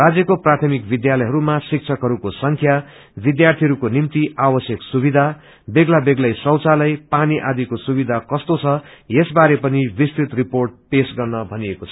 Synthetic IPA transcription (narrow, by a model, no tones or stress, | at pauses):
rad͡zjʌkoprat̪ʰʌmikbid̪jalʌjɦʌɾumasik̚t͡sʰʌkɦʌɾukosʌŋkʰja | bid̪jart̪ʰiɦʌɾukonimt̪iʔabʌsjʌksubid̪ʱa | beɡlabeɡlʌjsʌwt͡salʌjpaniʔad̪ikosubid̪ʱakʌst̪ot͡sʰʌjesbaɾepʌnibist̪it̪riporʈ̚pesɡʌrnʌbʱʌniekot͡sʰʌ̥